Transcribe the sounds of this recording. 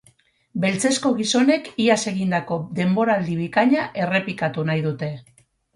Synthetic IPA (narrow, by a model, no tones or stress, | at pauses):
be̞lt͡se̞sko̞ɣ̞iso̞ne̞kiase̞ɣind̪ako̞d̪e̞mbo̞ɾald̪iβ̞ikaɲaʔe̞re̞pikat̪unajð̞ut̪e̞